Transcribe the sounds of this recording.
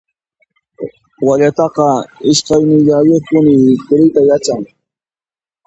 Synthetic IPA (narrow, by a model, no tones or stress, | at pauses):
waʎat̪ɑqɑɪʃkɑjnɪʎawɪpʊnɪkʊɾɪjt̪ajat͡ʃaŋ